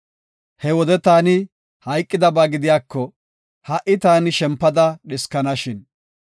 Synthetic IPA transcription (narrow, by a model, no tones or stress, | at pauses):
hɛwɔd̪ɛt̪aːnɪ | hɐjkʼːɪd̪ɐbaːɡɪd̪ɪjaːkːɔ | hɐʔɪt̪aːnɪʃɛmpːɐd̪ɐɗɪskɐnɐʃɪn